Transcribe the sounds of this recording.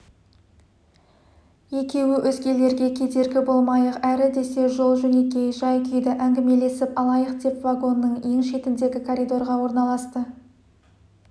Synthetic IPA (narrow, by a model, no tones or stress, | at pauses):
je̞kʲe̞wɪʔɵzɡʲe̞le̞ɾɡʲe̞kʲʰe̞d̪e̞ɾɡʲɪbo̞lˠmɑjəqæɾɪd̪e̞se̞ʒo̞lˠʒɵne̞kʲe̞ʒɑjkʲʰʏjd̪ɪʔæŋɡʲɪme̞le̞sɪpɑlˠɑjəqd̪e̞pvaɡo̞nːəɴje̞ŋʃe̞t̪ɪmd̪e̞ɡʲɪkʰoɾid̪o̞ɾʁɑwo̞ɾnɑlˠɑst̪ə